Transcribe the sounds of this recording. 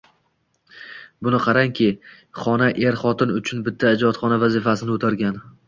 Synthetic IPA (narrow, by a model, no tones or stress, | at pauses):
bʊnɪqʰɑɾaŋkʲʰɪ | χɒnaʔe̞ɾχɒt̪ɪnʊt͡ʃʰʊnbɪt̪ʰːaːd͡ʒɒt̪χɒnavazɪfasɪnɪot̪ʰaɾɡʲan